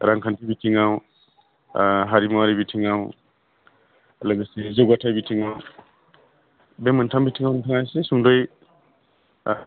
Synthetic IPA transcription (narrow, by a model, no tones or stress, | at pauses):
ɾaŋkʰantʰibitʰiŋaw | ɦaɾimɔwaɾibitʰiŋaw | ləɡasezɔɡatʰajbitʰiŋaw | beməntʰambitʰiŋawntʰaŋajsesuŋdoj